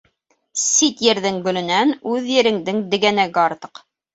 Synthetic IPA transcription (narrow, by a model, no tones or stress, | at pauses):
sit̪jɘ̆ɾðɘŋɡɵ̆lɵ̆nænʉðjɘ̆ɾɘ̆ŋd̪ɘŋd̪ɘ̆ɡænæɡɘɑɾt̪ɤ̥q